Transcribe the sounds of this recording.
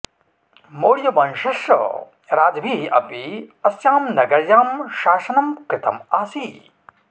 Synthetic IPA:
moːɽjɐbɐnʃɐʃɐ̰ | ɾaːd͡ʒɐbʱiɐ̰piɐsjaːmnɐɡɐɾjaːmʃaːsɐnɐmkɾɪt̪ɐ̰maːsi

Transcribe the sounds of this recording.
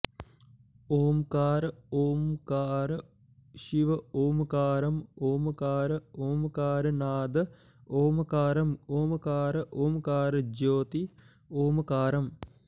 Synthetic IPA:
oːmkaːɾəoːmkaːɾə | ʃiʋɐoːmkaːɾɐmoːmɐkaːɾɐoːmkaːɾɐnaːd̪ɐ | oːmɐkaːɾɐmoːmɐkaːɾɐʔoːmkaːɾɐd͡ʒoːt̪i | oːmɐkaːɾɐm

